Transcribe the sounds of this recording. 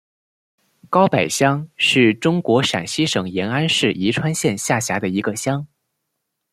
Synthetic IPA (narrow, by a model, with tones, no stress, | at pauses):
kɑ˥ʊpa˨˩ɪɕjɑ˥ŋʂɻ̩˥˩ʈ͡ʂʊ˥ŋkwɔ˧˥ʂa̰˨˩nɕi˥ʂɤ˨˩ŋjɛ˧˥na˥nʂɻ̩˥˩ʔi˧˥ʈ͡ʂʰwa˥nɕjɛ˥˧nɕja˥˩ɕja˧˥d̪ə˧i˧˥ɡə˧ɕjɑ˥ŋ